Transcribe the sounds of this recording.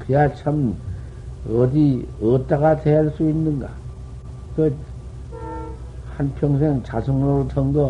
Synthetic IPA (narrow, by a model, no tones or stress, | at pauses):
kɯjat͡ɕʰam | ʌdiʌt͈aɣateaɭs͈uinːɯnɡa̰ | kʌ | hanpʰjʌŋsʰeŋt͡ɕasʰoŋnoɾot͡ɕʰʌŋdʌ